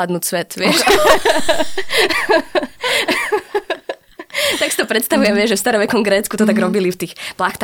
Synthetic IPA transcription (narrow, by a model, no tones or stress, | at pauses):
ad̪nuːtsʋɛt̪ʋɪɛʃ | t̪aksit̪ɔpɾɛt̪st̪aʋujɛmʋɪɛʒʒɛfst̪aɾɔʋɛkɔmɡɾɛːtt͡skut̪ɔt̪aɡɾɔbilift̪iːxplaxt̪ː